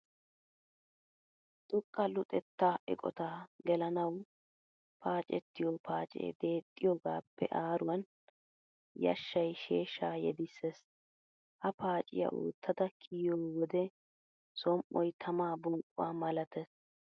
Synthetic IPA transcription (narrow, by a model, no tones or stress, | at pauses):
t̪ʼʊkʼːɐlʊt̪ʼɛt̪ːaːʔɪ̰kʼɔ̰t̪aːɡɛlɐnɐw | pʰaːt͡ʃʼɛt̪ːɪjopʰaːt͡ʃʼḛːd̪e̞ːt̪ʼːɪjoɡaːpʰːɛ̰ʔaːɾʊwɐn | jɐ̰ʃːɐjʃeːʃaːjɛ̰d̪ɪsːes | hɐpʰaːt͡ʃʼɪ̰jɐ̰ʔo̰ːt̪ʰːɐd̪ɐkʰɪjoːwɔd̪ɛ | sɔmʔɔjt̪ʰɐmaːbɔŋkʼʊwaːmɐlɐt̪ɛs